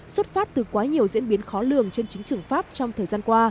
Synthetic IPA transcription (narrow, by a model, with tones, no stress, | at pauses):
swə˦˥t̚faː˦˥t̚t̪ɨ˨˩kwaː˨˦ɲi˨˩əwzḭ˧˥ənɓi˨˦ənxɔ˨˦lɨ˨˩əŋt͡ɕe˧nt͡ɕï˨˦ŋ̟t͡ɕɨ˨˩əŋfaː˦˥p̚t͡ɕɔ˧wŋ͡mt̪ʰəː˨˩jzaː˧nkwaː˧